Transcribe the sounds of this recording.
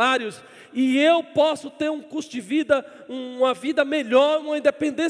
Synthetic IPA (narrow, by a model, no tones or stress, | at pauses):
aɾjʊs | ɪewpɔsʊt̪eɾũkust̪ʊd͡ʒɪvid̪ɐ | ũmɐvid̪ɐmeʎɔɾũɐĩnd̪epẽnd̪ẽ